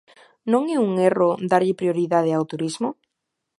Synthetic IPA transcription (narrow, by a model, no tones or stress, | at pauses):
nõŋɛuŋerod̪aɾʎɪpɾjoɾiðað̞ɪawt̪uɾizmo